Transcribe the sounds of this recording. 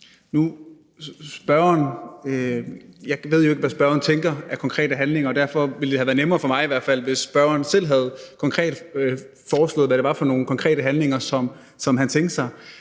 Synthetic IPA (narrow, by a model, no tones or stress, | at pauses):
nu | sb̥ɶɐɐn | jɑ̈ɪʋe̝ð̞̰ˠjo̝e̝ɡ̥ʋæsb̥ɶɐɐn̩t͡sʰeŋɡ̥ɐækʰɒ̽ŋkʰʁɛ̰ːd̥əɦænle̝ŋɐɒd̥æɐ̰fɒ̽ʋiləd̥e̝hæʋæːɐnemɐːfɒ̽mɑ̈ɪiʋæɐ̰̥fæl̰ʋe̝sb̥ɶɐɐnsel̰ɦæð̞̩ˠkʰɒ̽ŋkʰʁɛ̰ːd̥ | fɒːslɔ̰̽ːð̩ˠʋæɾ̥e̝ʋɑ̈fɒ̽no̝ːn̩kʰɒ̽ŋkʰʁɛ̰ːɾ̥əɦænle̝ŋɐsɒ̽m | sɒ̽mɦænt͡sʰeŋɡ̥d̥sɑ̈ɪ